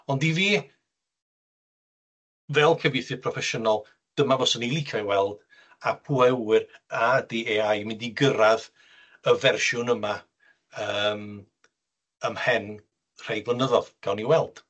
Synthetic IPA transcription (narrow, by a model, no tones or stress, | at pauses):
ɔndiviː | vɛlˠkʰəvɪθɨpʰrɔfɛʃənɔlˠ | d̥əmavɔsənilˠikʰajwɛlˠd̥ | apʰwɛwɨradiːeajmɪndiɡəɾað | əvɛrʃʊnəma | əːm | əmhɛn | r̥ejblˠənəðɔð̥ɡ̥awniwɛlˠd̥